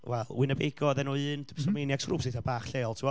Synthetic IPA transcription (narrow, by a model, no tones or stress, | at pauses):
wɛlˠwɪnəbeɡɔðɛnɔɨːntʰɪpsɔmenjaɡ̥sruːpsɪθabaːχɬeːɔlˠtʰiwɔ